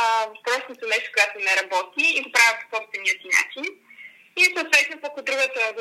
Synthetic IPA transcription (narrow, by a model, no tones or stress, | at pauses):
vɐpɾɔsnot̪onɛʃt̪o̥koɡat̪onɛɾɐbɔt̪iːɡ̪opɾavʲəpo̥sɔpst̪vɛniəsina̰t͡ʃin | isowt̪vɛt̪nopokod̪ɾuɡət̪ə